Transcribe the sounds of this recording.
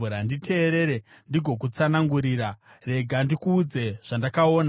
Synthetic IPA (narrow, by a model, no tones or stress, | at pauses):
uɾanditʰe̞ːɾe̞ɾe | ndiɡʱo̞k̬ut͡sanaŋɡuɾiɾa | re̞ɡʱandikuːd͡ze̞ʐ̥andakao̞ːna